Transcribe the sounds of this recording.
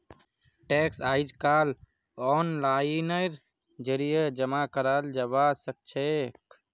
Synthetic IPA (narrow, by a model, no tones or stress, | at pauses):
ʈɛksaːid͡ʒkal | ɔnlanəɾ | d͡ʒəɾijəd͡ʒəmakəɾald͡ʒəβasək̚t͡ʃʰek